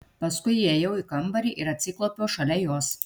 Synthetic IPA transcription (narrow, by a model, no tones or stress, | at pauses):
pɐskʊɪiejɛʊɪkɐmbɐɾʲiːʔɪɾɐt̪ʲsʲɪklˠoːpʲoːʃɐlʲɛjoːs